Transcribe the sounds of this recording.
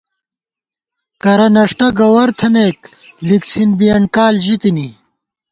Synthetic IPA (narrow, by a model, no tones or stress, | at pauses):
kɐɾɐnɐʂʈɐɡɐwɐɾt̪ʰɐneːk | liksʰinbijɐɳkaːlʑit̪ini